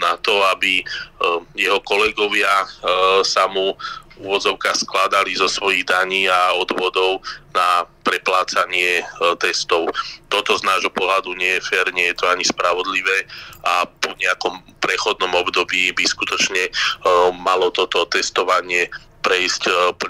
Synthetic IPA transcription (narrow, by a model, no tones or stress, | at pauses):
nat̪ɔabi | jɛɦɔkɔlɛɡɔʋɪa | samuuʋɔd͡zɔʊkaːxsklad̪alizɔsʋɔjiɣd̪aɲiːaɔd̪ʋɔd̪ɔʊnapɾɛplaːt͡saɲɪɛt̪ɛst̪ɔʊt̪ɔt̪ɔznaːʒɦɔpɔɦlad̪uɲɪɛjɛfɛːɾɲɪɛjɛt̪ɔaɲispɾaʋɔd̪liʋɛːapɔɲɛakɔmpɾɛxɔd̪nɔmɔbd̪ɔbiːbiskut̪ɔt͡ʃɲɛ | malɔt̪ɔt̪ɔt̪ɛst̪ɔʋaɲɪɛ | pɾɛjscp